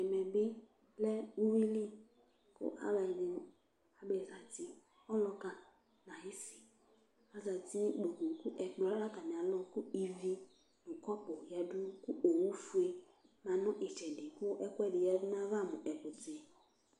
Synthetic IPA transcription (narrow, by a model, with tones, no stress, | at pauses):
ɛ˨mɛ˨bɪ˦ | lɛ˦u˦wi˦li˦ | kʊ̰˦ʔa̰˦bɛ˨dɪ˦ | a˨be˨za˨ti˦ | ɔ˦lɔ˦ka˦ | nã˨hɪ˦si̥˨ | a˨za˨ti˦ɡ͡bo˨ko˨kʊ˦ʔɛ˨k͡plɔ˦a˦a˦ka˨mi˨a˨lɔ˦kʊ˦i˨vi˦ | nʊ̃˨kɔ˦pʊ˨ja˨dʊ˦kʊ˦ʔo˨wu˦fu˦e˦ | mã˨nɔ̃˦ʔɪ˨t͡ʃɛ˨dɪ˨kʊ˦ʔɛ˦kʷɛ˦dɪ˨jɛ˦vnã˦va˦˨mʊ̃˨ʔɛ˨pʊ˨tɪ˨˦